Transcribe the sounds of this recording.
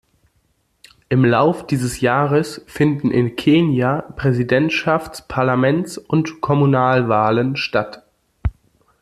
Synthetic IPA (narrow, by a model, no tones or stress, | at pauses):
ʔɪmlaʊfd̥iːzəsjaːʁəsfɪndn̩ʔɪ̰nkʰeːnjapʁ̥ɛzidɛntʃaft͡spʰaɐlamɛnt͡sʔʊntkʰɔmunaːlvaːlənʃtat